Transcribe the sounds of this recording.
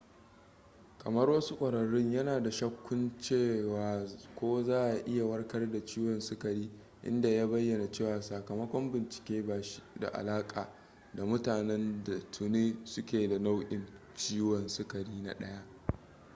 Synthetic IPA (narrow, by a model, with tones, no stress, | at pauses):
kʰʼɐ˨mɐ˦rwɐ˦su˦kʷʼɐ˨ɽɐ˨ɽɪ˦ɲjɐ˦naː˨da˨ʃɐ˦kʷːʊ˦nt͡ʃeː˦˨waː˨kʷoː˦zaː˦ʔa˨ʔɪ˦ja˨wɐ˦rkɐ˦rda˨t͡ʃiː˦wɔ˨nsʊ˦kɐ˨ɽiː˦ | ʔɪ̰˦nda˨ja˦bɐ˦jːɐ˨na˨t͡ʃeː˦˨waː˨saː˨kɐ˨mɐ˦kʷɔ˦mbɪ˨nt͡ʃɪ̥˨kʲeː˦baː˨ʃi̥˦da̰˨ʔa̰˨laː˦kʼaː˨ | da˨mʊ˦taː˨nɛ˦nda˨tʰʊ˨neː˦sʊ˦kʲeː˨da˨na˦wʔɪ̰˦˨n | t͡ʃiː˦wɔ˨nsʊ˦kɐ˨ɽiː˦na̰˦ɗɐ˦ja˦ʔ